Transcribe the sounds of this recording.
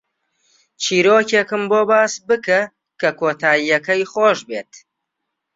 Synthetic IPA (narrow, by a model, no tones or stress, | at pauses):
t͡ʃʰiːɾoːcekɨmboːbaːsbɨkɐ | kʰɐkʰoːt̪ʰaːijɐkɐjχoːʃbeːt̪